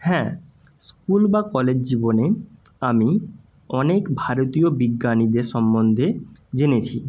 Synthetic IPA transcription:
hɛ̃ː | skulbakɔled͡ʑd͡ʑibone | ami | ɔnekbʱaɾot̪iobiɡːanid̪eɾʃɔmbond̪ʱed͡ʑenet͡ɕʰi

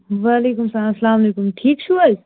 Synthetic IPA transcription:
ʋaːleːkʊmsãsɐlaːmɐleːkʊmʈʰiːkt͡ʃʰuajs

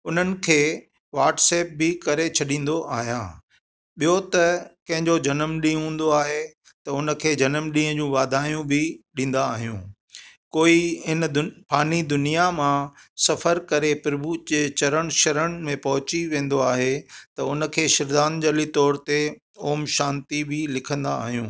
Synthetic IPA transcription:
ʊn̤ənɪ̆kʰeː | ʋaːʈseːp̚bɪkɐɾet͡ɕʰɐɗĩːn̆d̪oʔaːɦijã̰ː | ɓijot̪ɐkɐ̃ɦɪ̃ɲd͡ʑod͡ʑɐnəmɗĩːɦũːn̆d̪oaːɦe | t̪ɐʊnə̆kʰeːd͡ʑɐnəmɗĩːə̃d͡ʑũːʋaːd̪ʱaːjũbʱɪɗĩːn̆d̪aːɦijṵ̃ː | koːiɦɪnpaːnid̪ʊnijamãsɐfəɾkɐɾepɪɾɪbʱut͡ɕeːt͡ɕɐɾəɽ̃ʃɐɾəɽ̃mẽpɐɦʊt͡ɕiʋẽːn̆d̪oaːɦet̪ɐʊnə̆kʰeːʃɪɾd̪aːnd͡ʑəlit̪ɔːɾt̪e | oːmʃãːnt̪ibʱɪlɪkʰə̃nd̪aːɦijṵ̃ː

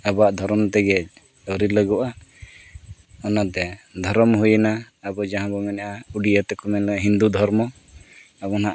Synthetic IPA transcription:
abaʔd̪ʱɔɾɔmt̪ɛɡɛc̚ | əɾiləɡɔʔa | ɔnat̪ɛd̪ʱɔɾɔmɦujənaː | bɔd͡ʒaɦãbɔmɛnaʔauɖiʔət̪ɛkɔmɛnləɦind̪ud̪ʱɔɾmɔ | abɔnaʔ

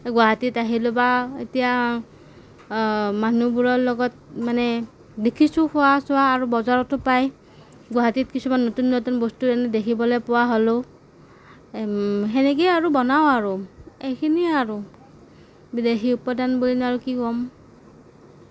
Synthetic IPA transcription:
ɡwaɦatitaɦilobaḛtija | manubuɹɔɹlɔɡɔt̚manɛ | dekʰisʊxʊwasʊwaːɹubɔzaɹɔtʊpaj | ɡwaɦatit̚kisumanːotunːotunbostuɛnɛdekʰibɔlɔjpʊwaɦolo | ɦɛnɛkejaɹubɔnaoaɹuejkʰiniaɹu | bidexiupɔdanboɹinaɹukikɔm

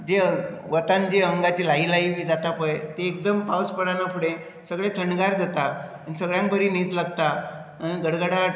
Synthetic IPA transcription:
d͡ʑe | ʋət̪ãnd͡ʑeəŋɡat͡ɕilailaiʋiːd͡zat̪apəjt̪eːk̚d̪əmpawspəɽanapʰuɽẽ | səɡɭet̪ʰəɳɖɡaɾd͡zat̪a | anisəɡɭjãŋk̚bʱəɾiːnid͡zlaɡt̪aː | iɡəɽɡəɽa

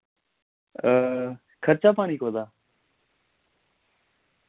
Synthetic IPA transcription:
ə | kʰəɾt͡ʃaːpaːniːkoːd̪aː

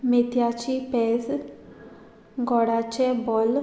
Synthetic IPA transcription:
mit̪jat͡ɕiːpes | ɡɔɽat͡ɕebɔl

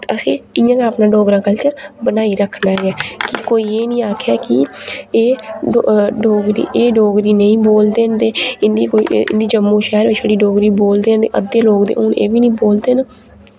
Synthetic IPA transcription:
əsĩːɪjãːkaːpnãːɖoːɡɾãːkəlt͡ʃəbənaːiːɾəkʰnaːɡɛːkɪkoːiːeːnĩːaːkʰjaːkɪeː | ɖoːɡɾḭːʔeːɖoːɡɾiːnəĩːboːld̪eːnt̪eːɪnd̪iːkoiɪ̰nd̪iːd͡ʒəmːõːʃɛːɾʋeːʃʰəɽiːɖoːɡɾiːboːld̪eːnḛʔə̰d̪eːloːɡd̪ḛːʔʊnḛːʋiːnə̃ĩːboːld̪eːn

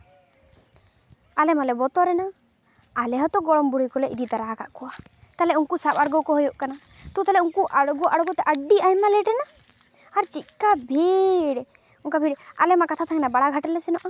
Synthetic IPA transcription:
alɛmalɛbɔt̪ɔɾɛna | alɛɦɔt̪ɔɡɔɽɔmbuɽujkɔlɛʔid̪it̪aɾaɦkaʔkɔwa | t̪alɛuŋkusabaɽɡɔkɔɦɔjɔʔkana | t̪ut̪alɛuŋkuʔaɽɡɔʔaɽɡɔt̪ɛʔəɖiajmalɛʈɾɛna | aɾt͡ʃit̪̚kabʱiɽ | uŋkabʱiɽa̰lɛmakat̪ʰat̪ʰaŋɡɛnabaɽaɡʱaʈɛlɛsɛnɔʔɔ

